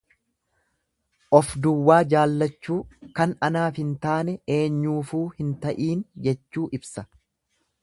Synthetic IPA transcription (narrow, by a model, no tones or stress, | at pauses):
ʔɔfd̪ʊwːaːd͡ʒaːlːɐt͡ʃːuːkɐnɐnaːfhɪnt̪aːnɛe̞ːɲːuːfuːhɪnt̪ɐʔiːnd͡ʒɛt͡ʃːuːʔɪbsɐ